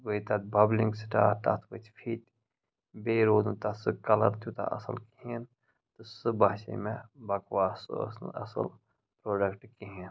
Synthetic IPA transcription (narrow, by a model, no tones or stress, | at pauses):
ʋəit̪at̪̚bɐblĩŋɡsʈaːʈ̪a̰t̪ʰbət͡ʃʰfʰiːt̪ | beːɾoːd̪ũnt̪asɨkɐlɐ̰ɾt̪jut̪a̰ʔɐ̰sə̰lkiin | t̪ɨsɨbaːʃḛmẽbɐkʋaːssɐ̰sə̰l | pɾoːɖəkʈkiɦin